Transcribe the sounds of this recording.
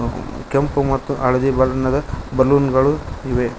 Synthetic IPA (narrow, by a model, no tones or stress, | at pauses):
kempumɐt̪ːuʔɐɭɐd̪ibɐlɐnɐd̪ɐbɐɾluːnɡɐɭuiʋe